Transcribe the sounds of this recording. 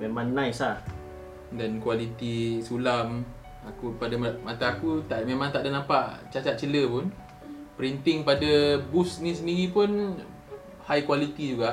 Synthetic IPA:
memaŋnãjsa | dankwalit̪isulam | akupadamat̪aːkut̪amemãŋt̪aʔdanampaʔt͡ʃat͡ʃat̪̚t͡ʃələpʊn | pəɾint̪ɪŋpadabusnis̬əndiɣipʊn | hajkwalit̪id͡ʒuɡaʔ

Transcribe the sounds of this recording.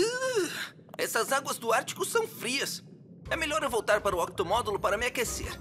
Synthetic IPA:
ɛsɐzaɡwɐzd̪ʊaɾt͡ʃi̥kʊsɐ̃w̃fɾiɐs | ɛmeʎɔɾewvowt̪aɾpaɾʊɔk̚t̪omɔd̪ulʊpaɾɐmɪakesḛɾ

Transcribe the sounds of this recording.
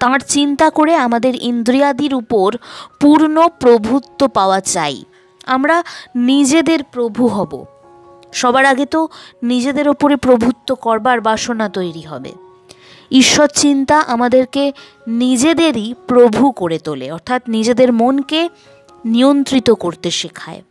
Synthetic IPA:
t̪ãɾt͡ɕint̪akoɾeamad̪eɾind̪ɾijad̪iɾupoɾpuɾnopɾobʱut̪ːopaoat͡ɕaj | amɾanid͡ʑed̪eɾpɾobʱuɦɔbo̰ | ʃɔbaɾaɡet̪onid͡ʑed̪eɾopoɾepɾobʱut̪ːokɔɾbaɾbʱaʃonat̪ojɾiɦɔbḛ | iʃːot̪t͡ɕint̪aʔamad̪eɾke | nid͡ʑed̪eɾipɾobʱukoɾet̪olḛɔɾt̪ʰat̪nid͡ʑed̪eɾmonke | nijont̪ɾit̪okoɾt̪eʃekʰa̰e

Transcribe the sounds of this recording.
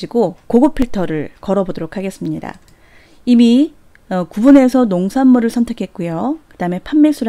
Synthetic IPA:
iɡokoɡopʰiɭtʰʌɾɯɭkʌɾʌbodoɾokʰaɡe̞s͈ɯmɲida̰ | imi | ʌkubune̞sʰʌnoŋsʰanːuɾɯɭsʰʌntʰe̞kʰe̞t̚k͈ujokɯdaɯme̞pʰamːes͈uɾ

